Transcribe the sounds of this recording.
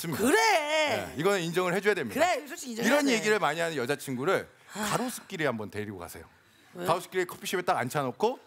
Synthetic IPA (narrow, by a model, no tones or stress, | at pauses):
sɯmikaɾeḛiɡʌnɯnind͡ʑʌŋɯɭhed͡ʑujadwemjiiɾʌnje̞ɡiɾɯɭmaɲiɦanɯnjʌd͡ʑat͡ɕʰiŋɡuɾɯɭ | kaɾos͈ʰɯ̥k͈̚iɾihambʌntweiɡoka̰sʰe̞̰jo̰ | kaus͈ʰɯ̥k͈iɾekʰʌpʰiɕʰibet͈aɡa̰nt͡ɕʰanokʰo